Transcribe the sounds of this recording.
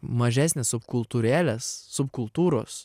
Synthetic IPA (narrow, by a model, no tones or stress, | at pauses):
mɐʒʲæːsʲnʲeːssʊpkʊlˠt̪uːɾʲæːlʲɛsːʊpkʊlˠt̪uːɾoːs